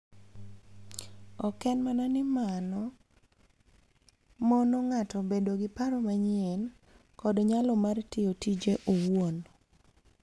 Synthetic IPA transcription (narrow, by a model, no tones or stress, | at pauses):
ɔkɛnmananɪmanɔ | mɔnɔŋatɔbedoɡɪpaɾɔmaɲɪen | kɔdɲalɔmartɪotid͡ʒeʔowwon